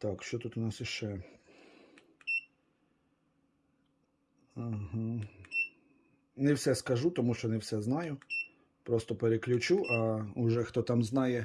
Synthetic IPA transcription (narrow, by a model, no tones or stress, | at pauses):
t̪ɑkʃt͡ʃɔt̪ut̪ʊnɑsjiʃt͡ʃɛ | ɦ̩ | nɛwsʲɛskɐʒut̪ɔmuʃt͡ʃɔnɛwsʲɛznɑjʊ | pɾɔst̪ɔpeɾeklʲʊt͡ʃuʔɐʊʒɛxt̪ɔt̪ɑmznɑjɛ